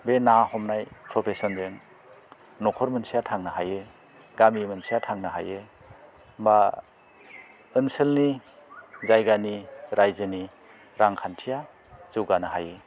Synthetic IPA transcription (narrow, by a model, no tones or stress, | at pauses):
benahɔmnajpʰɾɔpʰesɔnzeŋ | nɔkʰɔɾmɯnsijatʰaŋnɯɦajɯ | ɡamimɯnsijatʰaŋnɯɦa̰jɯ | mba | ɯnsɯlni | zajɡaniɾajzɯni | ɾaŋkʰantʰija | zɯwɡanɯɦajɯ